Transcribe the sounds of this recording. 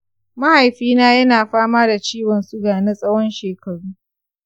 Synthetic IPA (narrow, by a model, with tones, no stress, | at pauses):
ma˦ha˨jɸiː˦naː˦jɐ˦naː˨ɸaː˦maː˦da˨t͡ʃiː˦wɔ˨nsu˦ɡaː˨ne˦sʼɐ˦wɔ˦nʃeː˨kʰɐ˨ɽuː˦